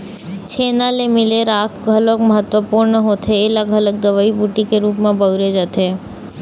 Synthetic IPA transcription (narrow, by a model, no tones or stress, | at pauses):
t͡ʃʰenalemileɾakɡʱəlokməɦət̪ʋəpuɾɳəɦot̪ʰeːlaɡʱələɡ̚d̪əʋaibuʈikeɾupmãbəɡɾed͡ʒət̪ʰe